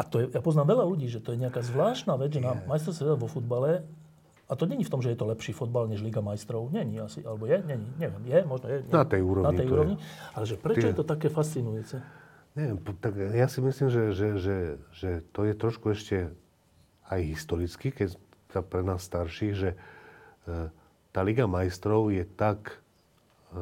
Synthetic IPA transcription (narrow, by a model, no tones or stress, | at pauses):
at̪ɔjɛjapɔznaːmʋɛʎaluɟiːʒɛt̪ɔjɛɲɛakaːzʋlaːʃt̪naːʋɛd͡zʒɛnaːmːajst̪ɔɾsɛɛaʋɔfud̪̚balɛ | at̪ɔɲɛɲift̪ɔmʒɛjɛt̪ɔlɛpʃiːfud̪̚balɲɛʒliɡamajst̪ɾɔʊɲɛɲiasiʔalɛbɔjɛɲɛɲiɲɛʋɪɛmjɛmɔʒnɔjɛɲɛnat̪ɛjuːɾɔnat̪ɛjuːɾɔʋɲialɛʒɛpɾɛt͡ʃɔjɛt̪ɔt̪akɛːfast͡sinujut͡sɛ | ɲɛʋjɛmpt̪akjasimisliːmʒɛʒɛʒɛʒɛt̪ɔjɛt̪ɾɔʃkuɛʃcɛ | ajɦist̪ɔɾit͡skikɛ | sapɾɛnaːsːt̪aɾʃiːɣʒɛ | t̪aːliɡamajst̪ɾɔʊjɛt̪ak